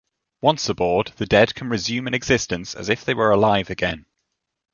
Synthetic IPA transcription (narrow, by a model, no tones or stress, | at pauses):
wʌ̃nsəbɔːd̪̚ðədɛd̥̚kʰə̃nɹɪzjʉ̃ːmə̃nɛɡz̥ɪstə̃nsə̰zɪfðeɪwəɹəlaɪvəɡɛ̃n